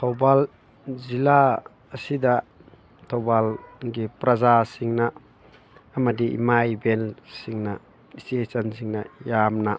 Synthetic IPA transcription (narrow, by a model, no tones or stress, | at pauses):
t̪ʰɔwbal | zilaː | sid̪a | t̪ʰɔwbalɡipɾɐzasiŋnaː | mɐdiʔḭmajbɛnsiŋna | isesɐnsiŋnajamna